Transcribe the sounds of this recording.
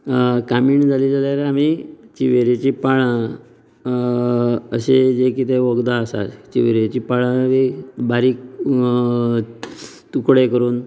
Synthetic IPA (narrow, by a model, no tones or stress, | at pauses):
kamiːɳd͡zʱaliːd͡zaljaɾeamit͡ɕiʋeɾet͡ɕiːpaɭa | əɕed͡ʑekit̪eʋəɡd̪aəsa̰t͡ɕḭʋeɾet͡ɕiːpaɭãʋebaɾiːk | t̪ukɽekəɾuːn